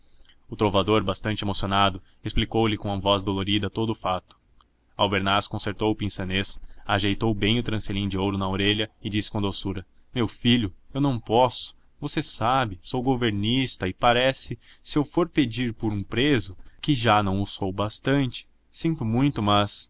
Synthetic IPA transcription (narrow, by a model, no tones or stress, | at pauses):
ʊt̪ɾovad̪oɾbast̪ɐ̃nt͡ʃɪemosionad̪ʊ | esplikowlɪkõɐvɔzd̪oloɾid̪ɐt̪od̪ʊfat̪ʊ̥ | awbeɾnaskõseɾt̪owʊpĩsɐnesaʒejt̪owbẽj̃ʊt̪ɾɐ̃selĩd͡ʒɪowɾʊnɐoɾeʎɐɪd͡ʒisɪ̥kõd̪osuɾɐmewfiʎʊewnɐ̃w̃pɔsʊ̥ | vosesabɪsowɡoveɾnist̪ɐɪpaɾɛsɪsɪewfoɾped͡ʒiɾpʊɾũpɾezʊkɪʒanɐ̃w̃ʊsowbast̪ɐ̃nt͡ʃɪ̥ | sĩnt̪ʊmũj̃t̪ʊmɐs